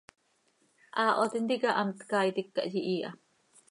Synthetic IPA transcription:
ʔaːʔot̪ind̪iɡaʔamt̪kaːjt̪ikːa̰ʔjiʔiːʔa̰

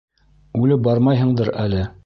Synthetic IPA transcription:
ʉlɘp̚bɑɾmɑjɦɤ̆ɴd̪ɤɾælɘ

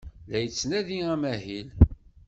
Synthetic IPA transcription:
ðæjət͡sːnæðiæmæɦil

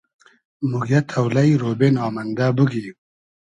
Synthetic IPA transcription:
muɡjɐt̪ʰɐwlɐjɾoːbenaːmɐnd̪abuɡi

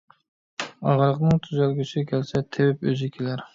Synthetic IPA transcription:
ɑʁɑlˠəqnɨŋt̪ʰyzælɡʲysɪɛkʲʰælsɛt̪ʰɪwɪpøzɪkʲʰelæɾ

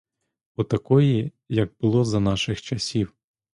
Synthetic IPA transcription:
ɔt̪ɐkɔji | jɐɡ̚bʊlˠɔzɐnɑʃɪxt͡ʃɐsʲiw

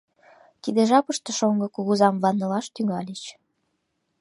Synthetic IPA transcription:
t̪id̪eʒɑpəʃt̪ĕʃoŋɡɤ̆kuɣuzɑmvɑnːɤ̆lɑʃt̪yŋɑlʲit͡ɕ

